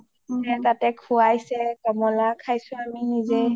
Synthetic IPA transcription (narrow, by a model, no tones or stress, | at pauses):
ɛtatɛkʰuajsɛkɔmɔlakʰajsʊ̃aminizɛ